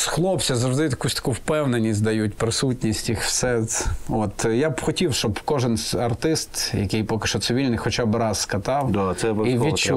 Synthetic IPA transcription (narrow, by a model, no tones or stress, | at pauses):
sxlˠɔpsʲɐzɐʒd̪ɪt̪ɐkusʲt̪ɐ̥kuwpɛwnenʲizʲzʲd̪ɐjut̚ʲpɾɪsutʲnʲisʲtʲixwsɛɔt̪jabxɔtʲiwʃt͡ʃɔbkɔʒɪnʲɐrt̪ɪst̪jɐkɪjpɔkɪ̥ʃt͡ʃɔt̪sɪʋʲilʲnɪjxɔt͡ʃabɾɑzːkɐt̪ɑwd̪asɛʋiʋʲit͡ʃu